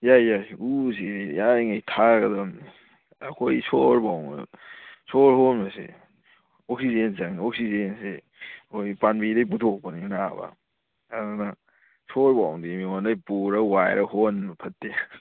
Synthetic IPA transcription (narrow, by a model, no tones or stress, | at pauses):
jajːajus̬idijajŋajtʰaɡɐdɐmni | ɐkʰojsoɾbawŋ̰ | soɾhonmɐsḛ | ok̚sizenzɐŋnioksizense | kʰojpanbidɐjp̬utʰok̚pɐninaba̰ | adana | soɾbawŋdimiondajpuɾɐwajɾɐhonpʰɐtːe